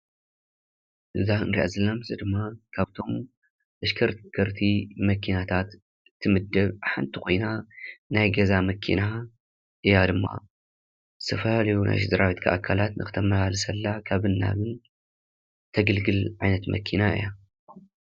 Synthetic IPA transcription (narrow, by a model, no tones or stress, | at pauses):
ʔɨzaɨnɾiʔa̰zɐlamzɨd̪ɨmːakʰaβt̪ʰo̞m | ɐʃkʰɐɾkʰɐɾt̪ʰimɐkʰinat̪ʰat̪ | ɨt̪ʰːɨmɨd̪ːɐβħant̪ʰikʰo̞jnanajɡɐzamɐkʰḭna | ʔɨjad̪ɨmːa̰ | zɨ̥t̪ʰɐfɐlalɐjunʔa̰jʃɨd̪ɐɾawit̪kʰaʔakʰːalat̪nɨxɨ̥t̪ʰɐmɐhalɨsɐlːakʰaβɨnːa̰ɡɨn | t̪ʰɐɡɐlɡɨlʕajnɐt̪mɐ̰kʰinaɨ̰ja